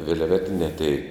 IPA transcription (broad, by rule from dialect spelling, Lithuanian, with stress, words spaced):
ʋʲɪlʲˈʋʲæːtʲɪnʲæː tʲɛɪ